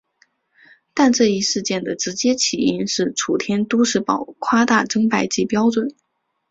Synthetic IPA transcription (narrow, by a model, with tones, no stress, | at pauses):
t̪a˥˧nʈ͡ʂɤ˥˧i˥˧ʂɻ̩˥˧t͡ɕjɛ˥˩nd̪ə˩ʈ͡ʂɻ̩˧˥t͡ɕjɛ˥t͡ɕʰi˨˩i˥nʂɻ̩˥˩ʈ͡ʂʰu˨˩t̪ʰjɛ˥nt̪u˥ʂɻ̩˥˩pɑ˨˩ʊkʰwa˥t̪a˥˩ʈ͡ʂɤ˥ŋpa˥˩ɪt͡ɕi˥˩pjɑ˥ʊʈ͡ʂwə˨˩˦n